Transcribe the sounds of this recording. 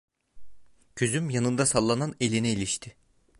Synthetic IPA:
cʰøzymjanɯnd̪asalˠːanane̞lʲinɛilʲiʃt̪ʰɪ

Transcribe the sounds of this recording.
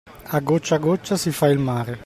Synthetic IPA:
aɡot͡ʃːaɡot͡ʃːasifailmaːɾe

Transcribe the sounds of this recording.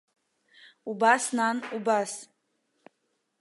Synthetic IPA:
ubasnanubas

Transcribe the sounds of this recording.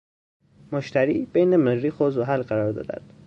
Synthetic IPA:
moʃt̪ʰæɾḭːb̥ejnemeɾɾiːxozoɦælɢæɾɒːɾd̪ɒ̰ːd̪æ̰nd̪̥

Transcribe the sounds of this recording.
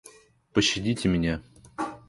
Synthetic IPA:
pəɕːɪdʲitʲɪmʲɪnʲa

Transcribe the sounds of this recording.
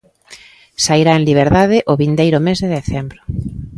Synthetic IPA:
saiɾaenliβ̞eɾðaðɪʔoβind̪ejɾʊmezðeðeθembɾʊ

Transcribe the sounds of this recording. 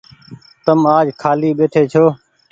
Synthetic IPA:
t̪əmaːd͡ʒkʰaːliːɓeːʈʰeːt͡ʃʰoː

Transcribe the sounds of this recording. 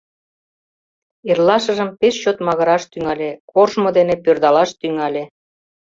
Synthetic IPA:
erlɑʃə̆ʒəmpeʃt͡ɕot̪mɑɣɤ̆ɾɑʃt̪yŋɑlʲekorʒmod̪enepørd̪ɑlɑʃt̪yŋɑlʲe

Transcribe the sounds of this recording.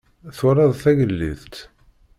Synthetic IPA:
θʊɾˤɑðˤθæʝəlːḭθt̪

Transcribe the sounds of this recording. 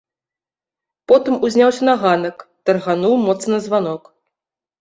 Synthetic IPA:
pɔt̪ɨmuzʲnʲawsʲɐnaɣanɐkt̪ɐrɣanuwmɔt̪snɐzvanɔk

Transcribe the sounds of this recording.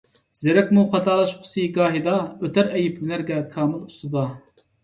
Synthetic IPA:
z̥eɾɛkʲmuχɑt̪ʰɑːlˠɑʃqʰʊ̥siɡɑːɦid̪ɑøt̪ʰæɾɛjipmɪnæɾɡʲɛkʰɑːmɨlˠust̪ɨd̪ɑ

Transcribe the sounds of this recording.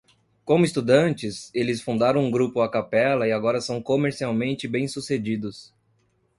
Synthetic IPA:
kõmʊɪst̪ud̪ɐ̃nt͡ʃɪselɪsfũnd̪aɾɐ̃w̃ũɡɾupʊakapɛlɐɪaɡɔɾɐsɐ̃w̃komeɾsiawmẽnt͡ʃɪbẽj̃sused͡ʒid̪ʊs

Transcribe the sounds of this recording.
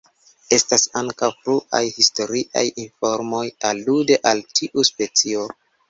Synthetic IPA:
e̞stasaŋkawpluʔa̰jhisto̞ɾiʔa̰jinfo̞ɾmo̞jalude̞ʔaltʰiʔuspe̞t͡sio̞

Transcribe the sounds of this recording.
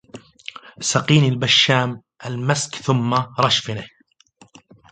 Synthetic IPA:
saqiːnilbaʃːaːm | ʔalmaskθʊmːaɾˤɑʃfɪnɪ

